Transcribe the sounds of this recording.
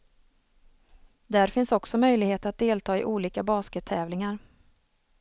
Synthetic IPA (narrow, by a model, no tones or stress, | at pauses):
d̪æɾfɪnsɔksɔmœjlɪɡheːt̪əat̪̚d̪eːlt̪ʰɑːɪʔuːliːkabɑːskət̪ʰːɛːvlɪŋaɾ